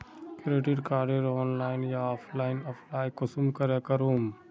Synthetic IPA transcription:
kɪɾeːʈiɾkaːɖeɾoːnlaːɪnjaaːpʰlaːɪnɔːpʰlaːjkʊsumkɐɾekɐɾuːm

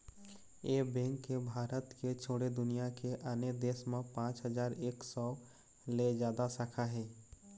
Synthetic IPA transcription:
eːbɛ̃ŋkːebʱaːɾət̪ket͡ʃʰoːɽed̪ʊnijakeʔaːned̪eːsmẽpãːt͡ʃɦəd͡ʒaːɾeːksɔː | led͡ʒjaːd̪asaːkʰaɦɛː

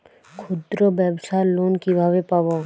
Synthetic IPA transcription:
kʰʊd̪ɾobɛbsaːloːnkibʱaːʋepaːba

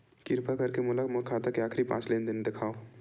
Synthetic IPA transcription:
kɪɾpakɐɾkemʊlakmokʰaːt̪akeaːkɾipã̰ːt͡ʃleːnd̪ɪnd̪ɪkʰaːo

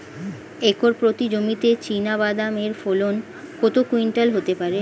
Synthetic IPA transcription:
ekoɾpɾot̪id͡ʑomit̪et͡ɕinabad̪ameɾfolon | kot̪okuiɳʈalɦot̪epaɾe

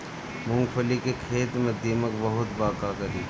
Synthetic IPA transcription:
mʊ̃ŋɡfʰəlikekʰeːt̪mẽd̪iːməkbɐɦʊt̪baːkaːkəɾiː

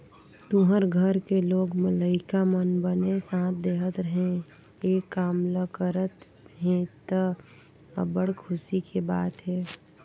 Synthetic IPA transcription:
t̪ũɦəɾɡʱəɾkeloːɡmələɪkamənbənesãːt̪̚ʰd̪eːɦət̪ɾəɦẽ | eːkːaːmləkəɾət̪ | ɦẽt̪ə | əbəɽ̤kʰʊsikʰebaːt̪ɦɛː

